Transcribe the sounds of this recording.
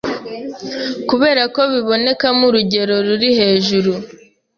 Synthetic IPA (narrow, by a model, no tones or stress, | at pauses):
kuβe̞ːɾako̞βiβo̞ne̞kamuɾuɟe̞ɾo̞ɾuɾihe̞ːʒuɾu